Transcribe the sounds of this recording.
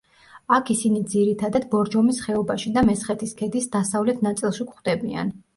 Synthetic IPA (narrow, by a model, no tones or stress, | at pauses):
akʰisinid̪ziɾit̪ʰad̪ad̪bɔɾd͡ʒɔmisχɛɔbaʃid̪amɛsχɛt̪ʰiskʰɛd̪isd̪asavlɛt̪ʰnat̪sʼilˠʃikχd̪ɛbia̰n